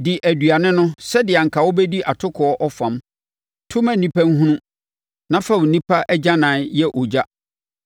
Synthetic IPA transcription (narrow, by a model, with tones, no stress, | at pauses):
dɪ˨ʔæ˨dɥa˨nɪ̃˦nʊ̃˦sɛ˦dɪ˨a˨ŋ̩˨kʰa˨wɔ˦bɛ˦di˦ʔa˨tʰʊ˦kʰɔ˨ɔ˦ʔɔ˦fã˨m | tʰʊ̃˦mæ̃˨nĩ˦pæ˦ŋ̩˦ɦũ˦nũ˦ | nã˦fa˦˨wʊ˨nĩ˦pʰa˦ʔɛ˦d͡ʑa˦nãː˨˦jɛ˦ʔɔ˨d͡ʑa˦